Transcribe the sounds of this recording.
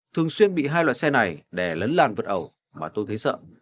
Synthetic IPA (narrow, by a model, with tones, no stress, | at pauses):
t̪ʰɨ˨˩əŋswi˧ənɓḭ˧˨ɦaː˧jlwa̰ː˧˨jsɛ˧na˨˩jɗe˧˩lə˨˦nlaː˨˩nvəː˨˩t̚ʔə˨˩w | maː˨˩t̪o˧jt̪ʰjsə̰ː˧˨